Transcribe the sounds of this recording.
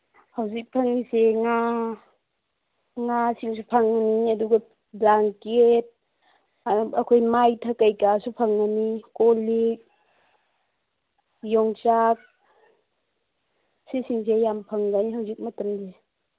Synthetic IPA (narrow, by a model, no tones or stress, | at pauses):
hawzik̚pʰaŋniseŋa | ŋasiŋsupʰaŋaniaduɡa | blaŋket̚ | akʰojmajtʰakajkasupʰaŋːanikɔlik̚ | jɔŋt͡ʃak̚ | sisiŋsejampʰaŋɡaniɦawzik̚matamde